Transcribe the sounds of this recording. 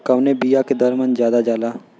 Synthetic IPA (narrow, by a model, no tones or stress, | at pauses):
kɐʋnebijaked̪əɾmə̃nzjaːd̪ad͡ʒaːlaː